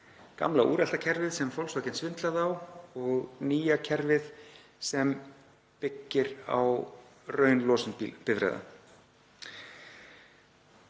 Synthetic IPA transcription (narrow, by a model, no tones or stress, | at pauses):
ka̰mlaʔṵːɾɛl̥t̪acʰɛɾvɪðsɛmfowlsɔcɪnsvɪnt̪laðawɔɣniːjacʰɛɾvɪð | sɛm | pɪcːɪɾa̰wrœːɥnlɔːsɪnpɪvɾɛ̰jða̰